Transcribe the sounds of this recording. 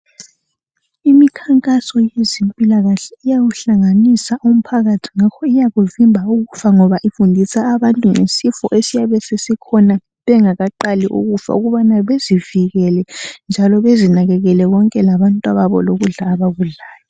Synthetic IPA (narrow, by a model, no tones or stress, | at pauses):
imikʰaŋkʼasɔjezempʼilaɣaɬɛ̥ijaɣuɬaŋanisaʔum̩pʰaɣatʰi̥ŋakʰɔijaɣuvimbʱauɣufaŋɔβaʔifundʱisaːβantʼuŋḛsifɔ̰ʔesijaβɛsesikʰɔna | βɛŋaɣaǃaliʔṵɣufa̰uɣuβanaβeziviɣɛlɛnd͡ʒʱalɔβezinaɣɛɣɛlɛɣɔŋkʼɛlaβantʼwaβaβɔ̰loɣuɮaːβaɣuɮaːjɔ